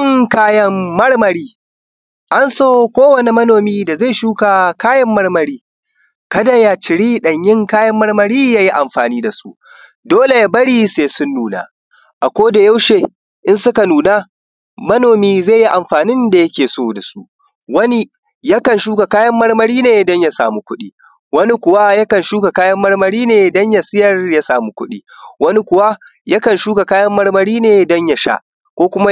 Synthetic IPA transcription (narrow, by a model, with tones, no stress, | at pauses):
ɪ˦ŋkaː˦jɐ˦mːɐ˦ɽmɐ˨ɽiː˦ | ʔa˦nsoː˦kʷoː˦wɐ˨ni˨mɐ˦noː˨miː˦da˨za˦˨ʃuː˦ka˨kaː˦jɐ˦mːɐ˦ɽmɐ˨ɽiː˦ | kɐ˦da˨ja˨t͡ʃɪ˨ɽiː˦ɗɐ˨ɲjɪ˦ŋkaː˦jɐ˦mːɐ˦ɽmɐ˨ɽiː˦jaː˦ji˦ʔa˨mɸa̰ː˨niː˦da˨sṵ˦ | doː˦le˨ja˦bɐ˦ɽiː˦seː˦sʊ˦nːuː˨na̰˨ | ʔa˨kʷoː˦da˨ja˦wʃeː˨ | ʔɪ˦nsʊ˦ka˨nuː˨naː˦ | mɐ˦noː˨miː˦zeː˦˨ji˦ʔa˨mɸaː˨nɪ˦nda˨jɐ˦kʲeː˨soː˦da˨su˦ʔ | wɐ˦ni˦ | ja˦kɐ˨nʃuː˦ka˨kaː˦jɐ˦mːɐ˦rmɐ˦ɽiː˦neː˨dɔ˦ɲja˨sa̰ː˨mu˦kʷʊ˦ɗiː˦ | wɐ˦ni˦kʷʊ˨wa˦ja˦kɐ˨nʃuː˦ka˨kaː˦jɐ˦mːɐ˦ɽmɐ˦ɽiː˦neː˨dɐ˦ɲja˨sɪ˦jɐ˨rja˦saː˨mu˦kʷʊ˦ɗiː˦wɐ˦ni˦kʷʊ˨wa˦ja˦kɐ˨nʃuː˦ka˨kaː˦jɐ˦mːɐ˦ɽmɐ˦ɽiː˦neː˨dɐ˦ɲja˨ʃa̰˦ʔ | kʷoː˦kʷʊ˦ma˦